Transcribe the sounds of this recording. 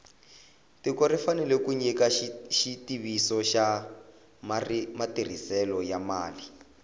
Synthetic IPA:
tikɔrifanɛlɛkuɲikaʃitiβisɔʃa | mimatir̤isɛlɔjamaːli

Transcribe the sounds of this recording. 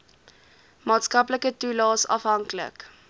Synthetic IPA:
mɑːtskɐpləkətulɑːsɐ̰fɦɐŋklə̰k

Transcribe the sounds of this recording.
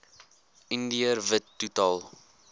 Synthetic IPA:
indiərvətːutɑlˠ

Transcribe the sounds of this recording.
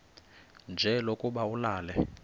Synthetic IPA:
nd͡ʒʱɛlokʼuɓaulaːlɛ

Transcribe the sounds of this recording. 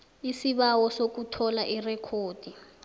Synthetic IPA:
isiβawɔsok̬utʰɔlaʔirɛkʰoːd̥ʱi

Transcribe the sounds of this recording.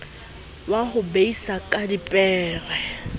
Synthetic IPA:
waɦʊbeisakʼadipʼɛːrɛ

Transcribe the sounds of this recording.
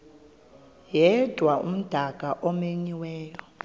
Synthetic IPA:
jɛd̥ʱwaṵm̩d̥ʱaɡ̥ʱʼaʔomeɲiwɛːjɔ

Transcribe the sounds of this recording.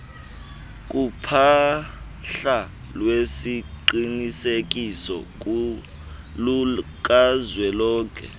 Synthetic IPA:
kʼupʰa | ɬa | lwesiǃinisek̬ʼisɔ̰ | k̬ʼazwɛlɔːkʰɛ̰

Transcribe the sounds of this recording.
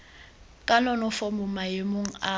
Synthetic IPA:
kʼanɔnɔfɔmʊmajemoŋ̩a

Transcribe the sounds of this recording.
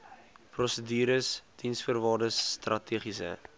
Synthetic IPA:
prɔsədiːɾəsd̥insfərvɑːdəsːtrʔɐtiːχisə̰

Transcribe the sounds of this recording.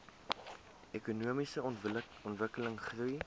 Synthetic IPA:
ekunuəmisə | ɔntvəkələŋχruj

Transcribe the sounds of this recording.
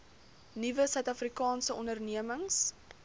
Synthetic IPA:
nivəsœɥtɐfrikɑːnsəɔndərniəməŋs

